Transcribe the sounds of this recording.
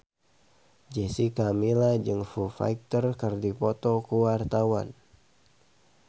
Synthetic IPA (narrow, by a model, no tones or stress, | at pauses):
d͡ʒɛsikamilad͡ʒɨŋfufa̰jk̚t̪ərkərdipɔt̪ɔkuwart̪awan